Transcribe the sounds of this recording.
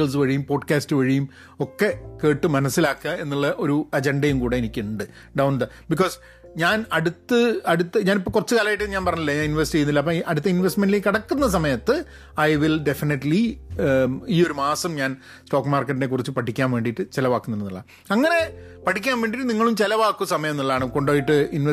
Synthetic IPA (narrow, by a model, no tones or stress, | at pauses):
ɐɭs̬ɨʋɐɻijumpo̞ːɖkaːstɨʋɐɻijum | okːe̞ke̞ːʈːɨmɐnɐsːilaːkːɨɣɐe̞nːuɭːɐʔo̞ɾuɐd͡ʑeɳɖɐjumkuːɽe̞enikʲːɨuɳɖɨ | ɖɐwnd̪ɐ | biko̞ːs | ɲaːnɐɽut̪ːɨɐɽut̪ːɨɲaːnipːoːkurɐt͡ɕːɨkaːlaːjʈːenɲaːnpɐrɐɲːilːɐɲaːninʋɐstit͡ɕejːunːilːɐp̬ːoʔɐɽut̪ːɐinʋesʈmenɖlekːɐɽɐkːunːɐs̬ɐmɐjɐt̪ːɨ | ɐjʋilɖe̞finɐʈli | iːo̞ɾumaːsɐmɲaːn | sto̞ːkːmaːrkːɐʈːnekːurit͡ɕːɨpɐʈʰːikʲːaːnʋeːɳɖiʈːɨt͡ɕelɐʋaːkːunːɐnnːuɭːɐ̰ | ɐŋːɐne̞ | pɐʈʰːikʲːaːnʋeːɳɖiʈːɨniŋːɐɭumt͡ɕelɐʋaːkːuɐsɐmɐjɐnːuɭːaːɳɨko̞ɳɖoːjiʈːɨinʋ